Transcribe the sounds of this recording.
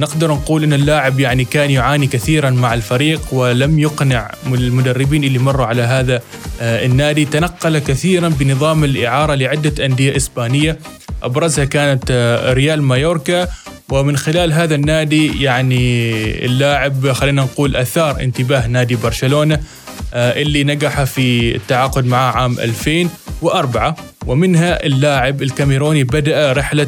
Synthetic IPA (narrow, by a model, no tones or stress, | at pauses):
nɪɡd̪ɑɾˤnquːlʔɪnːɪlːaːʕɪbjaʕnikaːnjʊʕaːnikaθiːɾanmaʕalfaɾiːqwɪlamjʊqnɪʕ | mʊd̪arːɪbiːnʔɪlːimɑrˤːuʕalaɦaːðaɪnːaːd̪it̪anaqːɑlakaθiːɾanbɪnɨðˤɑːmɪlʔɪʕɑːɾˤɑlɪʕɪd̪ːaʔand̪ɪjaʔɪsbaːnɪjːa | ʔɑbɾˤɑzhakaːnat̪ɾɪjaːlmajoːɾkawɪmɪnxɪlaːlɦaːðanːaːd̪ijaʕniɪ̰lːaːʕɪbxalːiːnanquːlʔaθɑːɾˤʔɪ̰nt̪ɪbaːɦnaːd̪ibɑɾˤʃaloːna | ʔɪlːinaɡaħafiɪ̰t̪ːaʕaːqʊd̪maʕaʕaːmʔa̰lfeːnwɪʔɑɾˤbaʕa | wɪmɪnɦaʔɪlːaːʕɪbɪlkamɪɾoːnibad̪aʔaɾɪħla